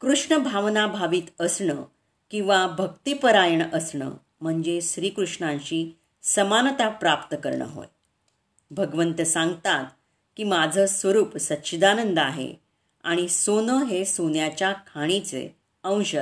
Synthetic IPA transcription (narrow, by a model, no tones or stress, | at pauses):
kɾuʂɳəbʱaʋnabʱaʋiːt̪əsɳə | kĩw̃ʋabʱək̚t̪ipəɾajəɳəsɳə̰ː | m̤əɳd͡zeɕɾiːkɾuʂɳãɕiː | səmanət̪apɾapt̪əkəɾɳə̰ɦo̰j | bʱəɡʋənt̪əsãŋɡt̪at̪̚ | kiːmad͡zʱəsʋəɾuːpsət̪ːɕəd̪anənd̪əaɦḛ | a̰ɽ̃isonəɦesonjat͡ɕjakʰaɽ̃it͡sḛ | ə̃w̃ɕə